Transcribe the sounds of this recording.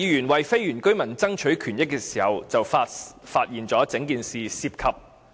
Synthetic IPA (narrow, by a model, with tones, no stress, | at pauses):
iː˨˧jyː˨˩nwɐ˨jfe˥jɥyː˨˩nkɵ˥ɥmɐ˨˩nt͡sɐ˥ŋt͡ʃʰɵ˨˥ɥkʰyː˨˩njɪ˥kːɛː˧si̥ː˨˩hɐ˨wt͡sɐ˨wfa˧faː˧t̚jiː˨nt͡sɔː˨˥t͡sɪ˨˥ŋkiː˨nsiː˨siː˧p̚kʰɐ˨p̚